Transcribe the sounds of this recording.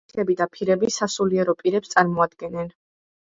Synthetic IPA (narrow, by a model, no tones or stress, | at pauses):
ɛbid̪apʰiɾɛbisasuliɛɾɔpʼiɾɛpst̪sʼaɾmɔad̪ɡɛnɛn